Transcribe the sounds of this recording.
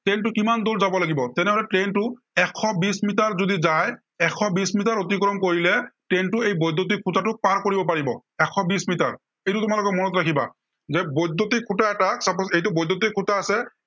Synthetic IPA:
tentʊkimand̪oɹzabɔlaɡibɔtɛnɛɦɔlɛʈentʊ | ɛkʰːɔbismit̬aɹzodizaj | ɛkʰɔbismit̬aɹot̪̬ikɹɔmkoɹilɛʈentʊejbɔjd̪ʱːot̬ikʰutatʊk̚paɹkoɹibɔpaɹibɔ̰ɛkʰɔbismitaɹ | ejtʊtʊmalʊkɔmɔnɔt̬ɹakʰiba̰ | zɛbɔjd̪ːotikʰːutaɛtaksapɔsejt̬ʊbɔjd̪jot̬ikʰːutaːsɛ

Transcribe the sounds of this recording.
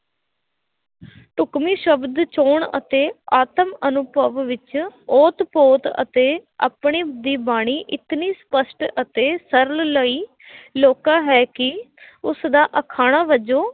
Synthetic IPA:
ʈʊkmiːʃəbd̪t͡ʃoːɳə̰t̪eːaːt̪əmənʊpəʋʋɪt͡ʃoːt̪poːt̪ə̰t̪eːa̰ːpɳiːd̪iːbaːɽ̃iːʔɪt̪niːspəsʈət̪eːsəɾəlləiː | loːkaːɦɛːkɪʊsd̪aːʔəkʰaːɽ̃aːʋəd͡ʒoː

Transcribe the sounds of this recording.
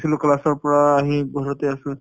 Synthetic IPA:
silʊklasɔɹpɔɹaːɦĩɡʱɔɹɔteasũ

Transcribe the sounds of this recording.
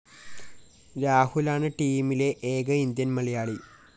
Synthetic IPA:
ɾaːhulaːɳɨʈiːmile̞ʔeːɡɐind̪jɐnmɐɭɐjaːɭi

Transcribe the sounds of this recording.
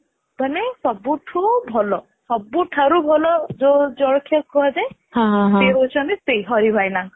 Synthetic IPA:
banesɔbuʈʰubʱɔlɔ | sɔbuʈʰaɾubʱɔlɔd͡ʒod͡ʒɔɽɔkʰjɔkʰuad͡ʒaj | hãɦseɦot͡ʃʰɔnt̪isejɦɔɾibʱajnaŋ

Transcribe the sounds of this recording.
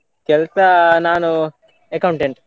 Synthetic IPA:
kelsɐnaːnu | ekɐwuɳʈeɳʈ

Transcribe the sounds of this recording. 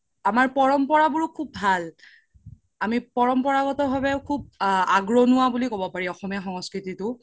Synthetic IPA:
amaɹpɔɹɔmpɔɹabuɹʊkʰubːʱal | amipɔɹɔmpɔɹaɡɔtɔbʱabɛʊkʰub̚aɡɹɔnʊwabulikɔbɔpaɹiɔxɔmiaxɔŋɔskɹititʊ

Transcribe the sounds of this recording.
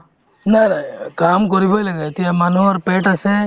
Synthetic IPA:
naɾakamk̬ɔɾibɔjlaɡat̪ijamanuaɾpeʈasɛ

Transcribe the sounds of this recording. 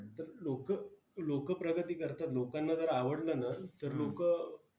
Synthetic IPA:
t̪əɾlokə | lokəpɾəɡət̪iːkəɾt̪at̪lokanːad͡zəɾaʋəɽlənat̪əɾlokə

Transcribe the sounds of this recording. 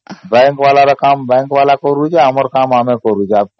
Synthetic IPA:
bɛ̃ŋkʋalaɾɐkambɛ̃ŋkʋalakɔɾud͡ʒʰeɦaməɾkamamẽkɔɾud͡ʒʰea

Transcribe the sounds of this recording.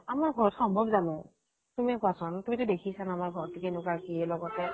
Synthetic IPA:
amaɹɡʱɔɹɔtxɔmbʱɔbzanɛ | tumiɛkwasɔntumitʊdekʰisanamaɹɡʱɔɹtikenʊkakiɛlɔɡɔtɛ

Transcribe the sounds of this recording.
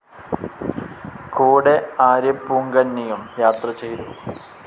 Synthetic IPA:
koːɽeaːɾjɐpːuːŋɡɐnːijɐmjaːt̪rɐt͡ɕe̞jt̪u

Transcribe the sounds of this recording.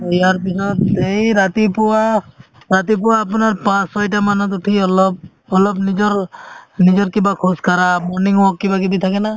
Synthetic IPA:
ijaɾpisɔt̪ejɾat̪ipuwa | ɾat̪ipuwaːpɔnaɾpãssɔjʈamanɔt̪̬uʈʰiɔlɔb̚ | ɔlɔbnid͡ʒɔɾnid͡ʒɔɾkibakʰɔskʰaɾamɔɾniŋɔkːibak̬ibit̪ʰakɛna

